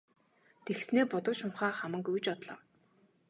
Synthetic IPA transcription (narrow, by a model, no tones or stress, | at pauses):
t̪exsneːpʊt̪ɞ̆kʃʊmχaːχamə̆ŋkujt͡ɕɔt̪ɮɞ̰̆w